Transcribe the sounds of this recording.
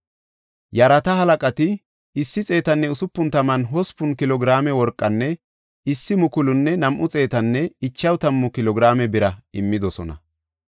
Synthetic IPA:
jɐɾɐt̪ɐɦɐlɐkʼɐt̪ɪ | ɪsːɪt͡sʼe̞ːt̪ɐnːɛʊsʊpːʊnt̪ɐmɐnɦɔspːʊnkɪlɔɡɪɾaːmɛwɔɾkʼːɐnːɛ | ɪsːɪmʊkʊlʊnːɛnɐmʔʊt͡sʼe̞ːt̪ɐnːɛɪt͡ʃːɐwt̪ɐmːʊkɪlɔɡɪɾaːmɛbɪɾɐɪmːɪd̪ɔsɔnɐ̰

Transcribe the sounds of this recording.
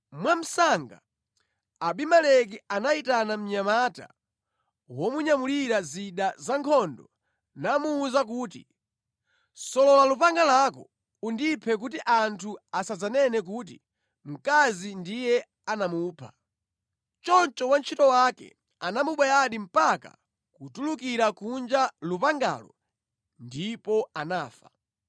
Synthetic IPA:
mwam̩saŋɡa | aɓimalɛkianaitanam̩ɲamata̰ | wɔmuɲamuliɾaziɗazaŋkʰɔndɔ | namuːzak̬uːtḭ | sɔlɔlalupaŋɡalakɔ̰ | undipʰɛk̬utiʔantʰuasad͡zanɛnɛk̬ut̬i | m̩kazindijɛ | anamuːpʰa | t͡ʃɔnt͡ʃɔwant͡ʃʰitɔwakɛ̰ | anamuɓwɛjaɗim̩paka̰ | kutulukiɾakund͡ʒalupaŋɡa̰lɔ | ndipɔanaːfḁ

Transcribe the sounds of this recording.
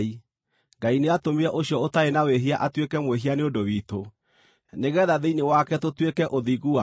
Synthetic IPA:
i | ŋɡaineatomiɾɛʔoɕjɔotaenaweɦiaʔatwekɛmweɦianeodowiːto | neɣɛðaðeinewakɛtotwekɛʔoðiɣua

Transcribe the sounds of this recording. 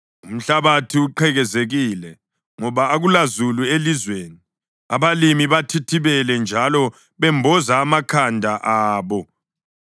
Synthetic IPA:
um̩ɬaβatʰiuǃʰɛɣɛzeɣiːlɛ | ŋɔβaːɣulazuluelizweːni | a̰βalimiβatʰitʰiβɛlɛnd͡ʒʱalɔ | βɛmbʱɔzaːmakʰandʱaʔaːβɔ

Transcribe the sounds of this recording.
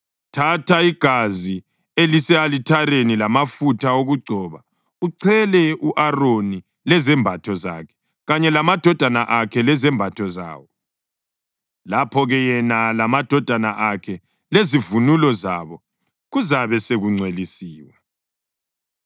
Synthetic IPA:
tʰatʰaiɡ̥ʱazi | elisɛalitʰaɾenilamafutʰaoɣuɡ͡ǀʱɔːβa | uǀʰɛlɛuʔaroni | lɛzɛmbʱatʰɔza̰kʰɛ̥ | ɣaɲɛlamad̥ʱɔd̥ʱanaʔakʰɛlɛzɛmbʱatʰɔza̰ːwɔ | lapʰɔɣɛjɛnalamad̥ʱɔd̥ʱanaʔakʰɛ | lezivunulɔza̰βɔ | ɣuzaβɛseɣuŋ͡ǀʱwelisiːwa

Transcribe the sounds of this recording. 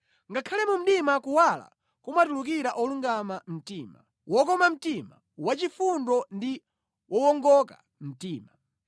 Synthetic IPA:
ŋɡakʰalɛmum̩ɗimakuwala̰ | kumatuluk̬iɾaʔɔluŋɡamam̩tiːma̰ | wɔk̬ɔmam̩tima | wat͡ʃifundɔndi | wʔɔwɔŋɡɔka̰ | m̩tiːma

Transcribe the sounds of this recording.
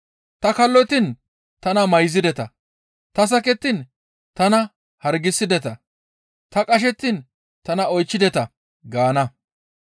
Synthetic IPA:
t̪ɐkɐlːɔt̪ɪn | t̪ɐnɐmɐjzɪd̪ɛt̪ɐ | t̪ɐs̬ɐkɛt̪ːɪn | t̪ɐnɐ | hɐɾɡɪsːɪd̪ɛt̪ɐ | t̪ɐkʼɐʃ̬ɛt̪ːɪn | t̪ɐnɐɔjt͡ʃːɪd̪ɛt̪ɐ | ɡaːnɐ

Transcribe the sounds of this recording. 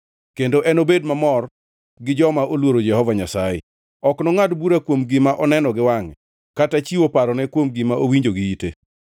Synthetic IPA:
kendoʔɛnobedmamɔr | ɡɪd͡ʒɔmaʔolwoɾod͡ʒɛhɔvaɲasajɛ̰ | ɔknɔŋadbuɾakwomɡɪmaʔɔnɛnɔɡɪwaŋɛ | katat͡ʃiwopaɾɔnɛkwomɡɪmaʔowiɲd͡ʒoɡɪite

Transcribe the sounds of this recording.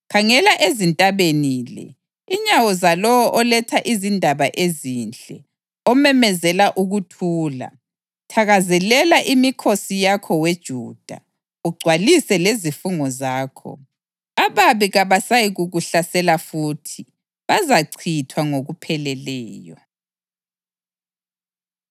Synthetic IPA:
kʰaŋɛlaʔezintʼaβeniːlɛ̰ | iɲawɔzalɔwɔʔɔlɛtʰaʔizindʱaβaʔezint͡ɬʼɛ̰ | ɔmɛmɛzɛlaʔuɣutʰuːla̰ | tʰaɣazɛlɛlaʔimikʰosijakʰɔwed̥ʒ̥ʱuːd̥ʱa̰ | uɡ͡ǀʱwalisɛlezifuŋɔzaːkʰɔ̰ | aβaβiɣaβasajiɣuɣuɬasɛlafuːtʰi | βazaǀʰitʰwaŋoɣupʰɛlɛlɛːjɔ

